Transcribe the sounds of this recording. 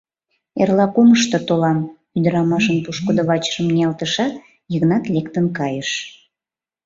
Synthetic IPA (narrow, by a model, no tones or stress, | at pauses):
erlɑkoməʃt̪ot̪olɑm | yd̪əɾɑmɑʃənpuʃkod̪əβɑt͡ɕə̥ʃəmnʲiɑlt̪əʃɑt̪ | jəɣnɑt̪lʲekt̪ənkɑjəʃ